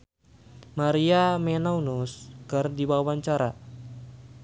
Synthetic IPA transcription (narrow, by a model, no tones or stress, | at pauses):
maɾiamɛnaunuskɨrdiwawaɲt͡ʃaɾa